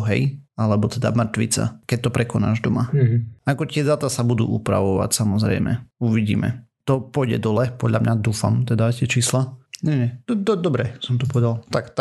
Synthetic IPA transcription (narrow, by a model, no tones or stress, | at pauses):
ɦɛ̰jalɛbɔt̪ɛd̪a̰mr̩t̪ʋḭt͡sa̰kɛc̚t̪ɔpɾɛkɔna̰ːʒd̪ɔmaɦakɔt̪ɪɛzaːt̪asabud̪ṵːʔupɾa̰ʋɔʋa̰csamɔzɾɛ̰jmɛ̰uʋiɟḭːmɛ̰t̪ɔpɔjɟɛ̰d̪ɔlɛpɔd̪ʎamɲad̪uːfa̰mt̪ɛd̪acɪɛt͡ʃiːslaɲɛɲɛd̪ɔd̪ɔbɾɛsɔmt̪ɔpɔʋɛd̪alˠt̪akt̪a